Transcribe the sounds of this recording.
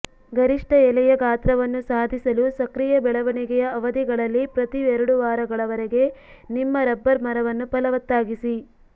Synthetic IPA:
ɡɐɾiʂʈɐɛlɛjɐɡaːt̪ɾɐʋɐnːusaːd̪ʱisɐlusɐkɾijɐbɛɭɐʋɐɳiɡɛjɐɐʋɐd̪iɡɐɭɐlːipɾɐt̪iʋɛɾuɽuʋaːɾɐɡɐɭɐʋɐɾeɡe̞nimːɐɾɐbːɐɾmɐɾɐʋɐnːupɐlɐʋɐt̪ːaːɡisi

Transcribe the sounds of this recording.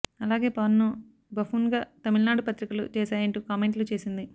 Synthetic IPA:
ɐlaːɡe̞ːpɐʋɐnːu | bɐfuːnɡaːt̪ɐmiɭnaːɽupɐt̪ɾikɐlṵt͡ʃɛːsaːjɐɳʈuːkaːmeɳʈlut͡ʃe̞ːsind̪i

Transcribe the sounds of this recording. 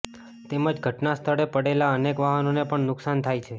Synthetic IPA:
t̪eməd͡ʒɡʱəʈnast̪ʰəɽepəɽelaənekʋaɦənonepəɳnʊksant̪ʰajt͡ʃʰe

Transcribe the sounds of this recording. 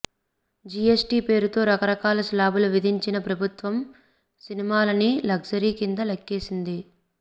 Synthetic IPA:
d͡ʒiesʈiːpe̞ːɾut̪o̞ːɾɐkɐɾɐkaːlɐslaːbuluʋid̪ʱiɲt͡ʃinɐpɾɐbʱut̪ʋɐm | sinimaːlɐnilɐɡsɐɾiːkind̪ɐlɐkːeːsind̪i

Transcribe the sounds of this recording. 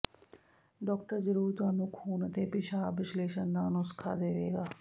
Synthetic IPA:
ɖɔːk̚ʈəɾd͡ʒəɾuːɾt̪ʊaːnũːkʰuːnət̪eːpɪʃaːʋɪsleːʃənd̪aːnosə̥kʰa̰ːd̪eːʋḛːɡaː

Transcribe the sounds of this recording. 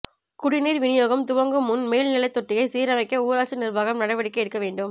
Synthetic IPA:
kʊɽɪniːɾʋɪnɪjoːɣɐmt̪ʊʋɐŋɡɯmːʊnmeːlnɪlɐɪt̪ːɔʈrɪjɐɪsiːɾɐmɐɪkːɐuːɾaːt͡ʃɐnɪrʋaːɣɐmnɐɽɐʋɐɽɪkːɐɛɽɯkːɐʋeːɳɖɯm

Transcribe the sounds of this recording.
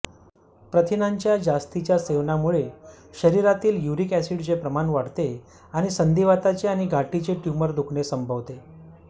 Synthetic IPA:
pɾət̪ʰinaɲt͡ɕjad͡zast̪it͡ɕjaseʋnamuɭeɕəɾiɾat̪iːljuɾikɛsiɽt͡sepɾəmanʋaɽt̪e | aɽ̃isənd̪iʋat̪at͡ɕeaɽ̃iɡʱaʈit͡ɕeʈjuməɾd̪ukʰɳesəmbʱəʋt̪e

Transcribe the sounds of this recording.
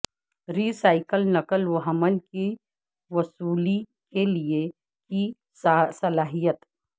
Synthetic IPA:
ɾiːsaːɪkəlnɐkəlwəɦəmənki | wɐsuːli | kelie | ki | sɐlaːɦijət̪

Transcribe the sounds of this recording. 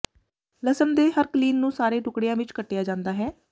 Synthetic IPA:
ləsəmd̪eːɦəɾkliːnːũːsaːɾeːʈʊkɽejãːʋɪt͡ʃkəʈːejaːd͡ʒãːnd̪aːɦɛː

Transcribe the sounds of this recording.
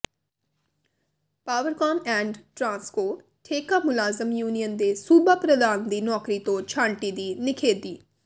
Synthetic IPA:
paːʋəɾkɔːmɛ̃ːɳɖʈɾãːnskoː | ʈʰeːkaːmʊlaːzəmjuːnijənd̪eːsuːbaːpɾəd̪aːnd̪iːnɔːkɾiːt̪õːt͡ʃʰãːɳʈiːd̪iːnɪkʰeːd̪iː

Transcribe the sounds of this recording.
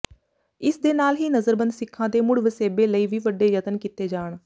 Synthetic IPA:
ɪsd̪eːnaːlɦiːnəzəɾbənd̪sɪkʰːãːd̪eːmʊɽʋəseːbeːləiːʋiːʋəɖeːjət̪ənkit̪eːd͡ʒaːɳ

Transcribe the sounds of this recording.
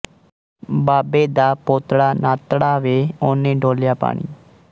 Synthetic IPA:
baːbeːd̪aːpoːt̪ɽaːnaːt̪ɽaːʋeːoːnẽːɖoːljaːpa̰ːɳḭː

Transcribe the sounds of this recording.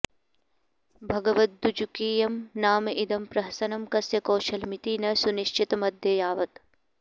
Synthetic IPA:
bʱɐɡɐʋɐt̪̚d̪ud͡ʒukiːjɐmnaːmɐʔid̪ɐmpɾɐɦɐsɐnɐmkɐsjɐkoːʃɐlmit̪iːnɐsuniʃt͡ʃit̪ɐmɐd̪ʱjɐjaːʋɐt̪

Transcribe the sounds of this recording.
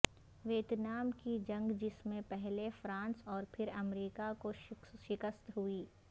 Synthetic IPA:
ʋeːt̪naːmkid͡ʒɐ̃ŋɡd͡ʒɪsmẽpɛɦlefɾãːnsɔːɾpʰɪɾɐmɾiːkakoʃʃɪkəst̪ɦuiː

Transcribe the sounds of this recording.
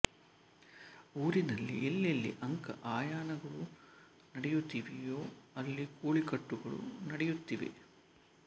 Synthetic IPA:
uːɾinɐlːḭʔelːelːḭʔɐŋkɐ̰ʔaːjaːnɐɡɐɭu | nɐɽɛjut̪ːiːʋijoːɐlːikoːɭikɐʈːuɡɐɭṵnɐɽɛjut̪ːiʋḛ

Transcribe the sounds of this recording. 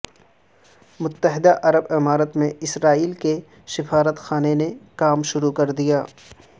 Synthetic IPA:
mʊt̪ːəɦɪd̪aʔɐɾəbɪmaːɾət̪mẽɪsɾaːiːlke | ʃɪfaːɾət̪xaːnenekaːmʃʊɾukɐɾd̪ijaː

